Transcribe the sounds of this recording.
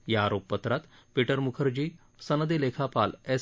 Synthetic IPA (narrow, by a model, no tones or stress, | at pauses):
jaːɾopːət̪ɾat̪piʈəɾmukʰəɾd͡ʑiː | sənəd̪elekʰapale